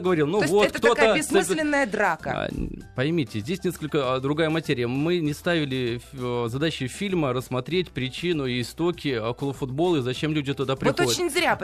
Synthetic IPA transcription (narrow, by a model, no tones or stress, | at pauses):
ɡəvɐɾilˠnuvo̞t̪k̪ət̪otkaəbʲɪsmɨslʲɪnːəjəd̪ɾakə̰pɐjmʲitʲɪzʲdʲesʲnʲeskəlʲkəd̪ɾʊɡajəmɐtʲeɾʲɪjəmɨnʲɪst̪avʲɪlʲɪzɐd̪at͡ɕɪfʲilʲməɾəsːmɐt̪ɾʲetʲpɾʲɪt͡ɕinʊiːɪst̪o̞kʲɪokolˠəfʊd̪bo̞lˠɨzɐt͡ɕemlʲʉdʲɪt̪ʊd̪apɾʲɪxt̪ooɪt͡ɕɪnʲzɾʲa